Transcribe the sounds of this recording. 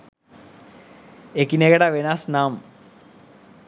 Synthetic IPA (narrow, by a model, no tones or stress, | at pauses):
ekineɣɐɽaʋenasnaːm